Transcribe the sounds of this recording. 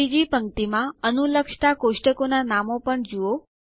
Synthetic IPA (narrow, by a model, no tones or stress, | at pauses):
id͡ʒipəŋt̪imãənuləkʂt̪akoʃʈəkonanamopəɳd͡ʒuo